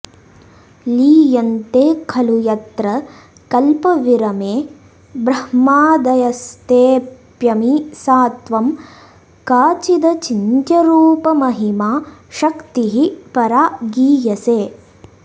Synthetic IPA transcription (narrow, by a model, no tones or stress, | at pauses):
liːjɐnt̪eːkʰɐlujɐt̪ɾɐ | kɐlpɐʋiɾɐmeː | bɾɐhmaːd̪ɐjɐst̪eːpjɐmisaːt̪ʋɐm | kaːt͡ʃid̪ɐt͡ʃint̪jɐɾuːpɐmɐɦimaːʃɐkt̪iɦipɐɾaːɡiːjɐseː